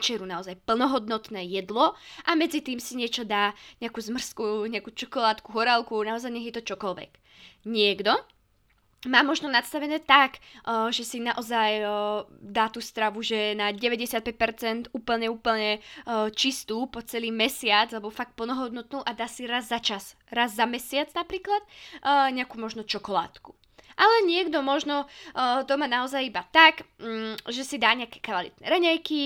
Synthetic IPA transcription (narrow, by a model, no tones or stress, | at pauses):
t͡ʃɛɾunaɔzajpl̩nɔɦɔd̪nɔt̪nɛːjɛd̪lɔʔamɛd͡zit̪iːmsiɲɪɛt͡ʃɔd̪aːɲɛakuːzmr̩skuɲɛakuːt͡ʃɔkɔlaːt̪kuɦɔɾalˠkunaɔzajɲɛɦjɛt̪ɔt͡ʃɔkɔlʋɛ̰k | ɲɪɛɡd̪ɔ | maːmɔʒnɔnat̪st̪aʋɛnɛːt̪akːʒɛsinaʔɔzaj | d̪aːt̪uːst̪ɾaʋuʒɛnaɟɛʋɛɟɛsjat̪̚pɛc̚pɛɾt͡sɛnt̪uːpl̩ɲɛuːpl̩ɲɛt͡ʃist̪uːpɔt͡sɛliːmɛsɪad͡zlɛbɔfak̚t̪̚pl̩nɔɦɔd̪nɔt̪nuːʔad̪aːsiɾazːat͡ʃas | ɾazːamɛsɪad͡znapɾiːklat̪ːɲɛakuːmɔʒnɔt͡ʃɔkɔla̰ːt̪ku̥ | ʔalɛɲɪɛɡd̪ɔmɔʒnɔt̪ɔmaːnaɔzajibat̪ak | ʒɛsid̪aːɲɛakɛ̥kaʋalḭt̪̚nɛ̰ːɾɛɲɛjki